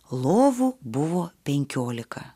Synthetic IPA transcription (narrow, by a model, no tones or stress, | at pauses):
lˠoːʋubʊʋoːpʲɛŋʲkʲoːlʲɪkɐ